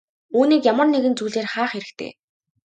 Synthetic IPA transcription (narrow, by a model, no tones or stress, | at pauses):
uːniːkjamə̆rneɣɘ̆nt͡suːɮeːrχaːχeɾɘ̆kt̪ʰḛː